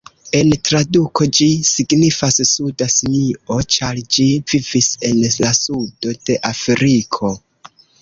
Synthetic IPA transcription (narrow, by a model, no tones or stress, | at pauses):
e̞ntɾadukʰo̞d͡ʒisiɡnifassudasiniʔo̞t͡ʃald͡ʒivivise̞nlasudo̞d̥e̞ʔafɾikʰo̞